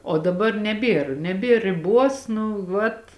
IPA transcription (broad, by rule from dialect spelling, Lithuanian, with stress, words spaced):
oː dɐˈbɐr nʲɛˈbʲeːr nʲɛˈbʲeːr rʲɪˈbuɔs nʊ ˈʋɐt